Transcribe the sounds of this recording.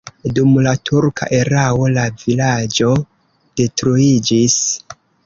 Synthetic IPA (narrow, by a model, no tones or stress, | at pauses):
dumlatʰuɾkʰa̰ʔe̞ɾao̞lavilad͡ʒo̞ | d̥e̞tɾuid͡ʒis